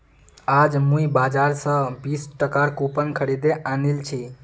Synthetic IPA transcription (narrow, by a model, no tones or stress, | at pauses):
ad͡ʒmuibad͡ʒaɾsə̃bisʈəkaɾkupənkʰəɾid̪eʔanilt͡ʃʰi